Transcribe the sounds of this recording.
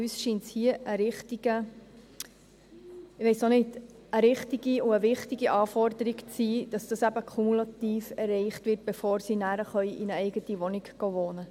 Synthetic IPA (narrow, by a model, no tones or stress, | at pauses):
yːsʃiːnt͡shiəʔəɾɪχtiɡ̥ə | ɪʋɛɪsnonɪd | əɾɪχtiɡiuəʋɪχtiɡiʔɑːfɔrd̪əɾikt͡siːd̥ɑsd̥ɑsæbəkʰumulɑt̪iːfɛrːɛɪχtʋɪt̚b̥efoːɾsinæːɾəχœʏʔinəɛɪɡətiʋɔnikɡ̥ɔʋoːnə